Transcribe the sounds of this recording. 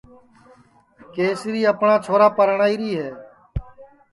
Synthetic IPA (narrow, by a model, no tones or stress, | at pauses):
keːsɾiːəpɳãːt͡ʃʰoːɾaːpəɾəɳaːiːɾiːɦɛː